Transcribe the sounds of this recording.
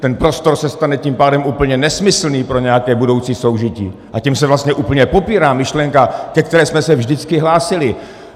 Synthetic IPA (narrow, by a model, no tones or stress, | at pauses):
t̪ɛnpɾo̞st̪o̞ɾsɛst̪anɛcimpaːdɛmʔuːpl̩ɲɛnɛsmɪsl̩niːpɾo̞ɲɛjakɛːbudo̞wt͡siːso̞wʒɪcḭːʔacimsɛvlast̪ɲɛʔuːpl̩ɲɛpo̞piːɾaːmɪʃlɛŋkakɛk̚t̪ɛɾɛːsmɛsɛvʒdɪt͡skɪɦlaːsɪlɪ